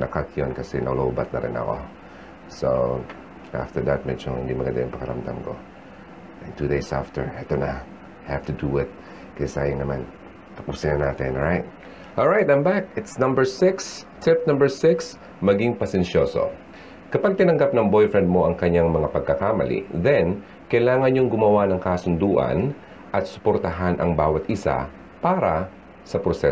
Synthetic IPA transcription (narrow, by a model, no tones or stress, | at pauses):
nʔɐkakjonkɐsɛnɐloʔubɐt̪̚nɐ̰ɾɪ̰nɐ̰ko̞̰ | so̰ | ʔa̰ft̪ɛɹd̪ɐt̪̚mɛd͡ʒohɪ̰nd̪imɐɡɐnd̪a̰jʊŋpɐkɐɾɐ̰md̪a̰mko̞̰ | ʔɛ̃nt̪ud̪ejsa̰ft̪ɛɹʔɛt̪onɐ | ajhaft̪ud̪uɪt̪̚ | kɐsɛsɐʔajoŋnɐman | kɐpuːsinɐnaːt̪ɛnːɹajt̪̚ | ʔɔlˠɹajt̪ãɪmbakɪt̪snɐ̃mbəɹsɪkst̪ʰɪpnɐ̃mbɛɹsɪks | mɐɡiŋpɐsɛnʃoso̰ | kɐpaɡ̚t̪ɪnɐŋɡap̚nɐŋbojfɹɛnd̪̚mo̞ʔɐŋkɐɲaŋmɐŋapɐɡ̚kɐkaːmɐ̰lḭðɛn | kɐjlaːŋɐnɲoŋɡʊmɐwanɐŋkasʊnd̪uːʔɐ̰n | ʔɐt̪̚sʊ̥poɾt̪ɐɦanʔɐ̰ŋbaːwɐt̪ɪsa̰ | paːɾɐ | sɐpɾosɛ